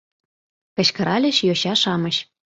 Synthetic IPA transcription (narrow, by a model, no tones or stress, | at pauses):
kɤ̆ɕkɤ̆ɾʔɑlʲɘ̆ɕjoɕɑʃɑmɤ̆ɕ